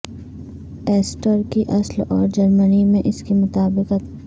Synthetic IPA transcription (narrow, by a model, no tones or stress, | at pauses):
eːsʈəɾkiʔɐslɔːɾd͡ʒɐɾmənimẽʔɪskemʊt̪aːbɪqɐ